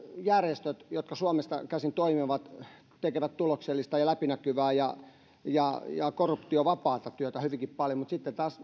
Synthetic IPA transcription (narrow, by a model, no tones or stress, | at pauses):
jærjest̪øt̪jot̪kɑsuomest̪ɑ̰kæsint̪oimiʋɑt̪ | t̪ekeʋæt̪t̪ulokselːist̪ɑjɑlæpinækyʋæːjɑ | jɑjɑ̰korːupt̪ioʋɑpɑːt̪ɑt̪yøt̪æhyʋiŋkippɑljomut̪sit̪ːet̪ɑːs